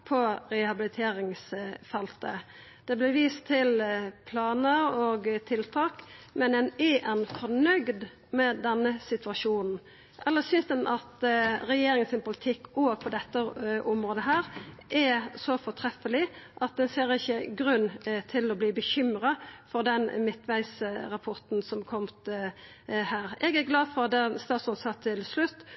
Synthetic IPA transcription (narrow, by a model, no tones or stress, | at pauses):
pʰɔɾɛhɑbɪlɪt̪ʰeːɾɪŋsfɛlt̪ə | d̪̥ɛblɪʋiːst̪ʰːɪlpʰlɑːnəɾoːɡt̪ʰɪlt̪ʰɑːkmɛnɛnɛʔɛnfɔnœɡd̪ | mɛd̪ɛnːəsɪt̪ʋɑʂuːnn̩ | ʔɛlːəsʏnsd̪ɛnʔɑt̪ɾɛjeːɾɪŋənsɪnpʊlɪt̪ʰɪkːoːɡ̚pʰɔd̪ɛt̪ːəʔɔmɾoːd̪əɦæːɾʔɛsɔfɔʈ̪ʰɾɛfəlɪʔɑt̪̚d̪ɛnseːɾɪçːəɡɾʉnːt̪ʰɪlɔbliːbəçʏmɾɑfɔɾd̪ɛnmɪt̪ʋæɪsɾɑpʰɔɾt̪n̩sɔmkʰɔmt̪ | hæːɾɛɡæɾɡlɑːd̪fɔɑd̪ɛst̪ɑːt̪sɔnsɑːt̪ʰɪlslʉt̪ː